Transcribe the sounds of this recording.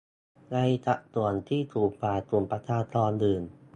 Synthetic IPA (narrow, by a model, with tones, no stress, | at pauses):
ŋa˧jt̪a˨˩ʔt̪u˨˩ənt̪ʰiː˥˩t̪ʰuː˨˩k̚paː˨˩k̪u˨˩mpa˧t̪ʰaː˧t̪ʰɔː˧ndɯː˨˩n